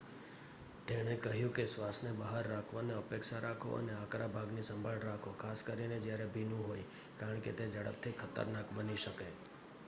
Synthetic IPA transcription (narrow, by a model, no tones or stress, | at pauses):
t̪eɽ̃ekəɦjũkesʋasnebaɦaɾːakʰʋaneəpekʃaɾakʰo̰ə̰neãkɾabʱaɡnisəmbʱaɭɾakʰokʰaskəɾined͡ʒjaɾebʱinũɦoj | kaɾəɳket̪ed͡ʒəɽə̰p̚t̪ʰikʰət̪ə̰ɾnakbəniʃəke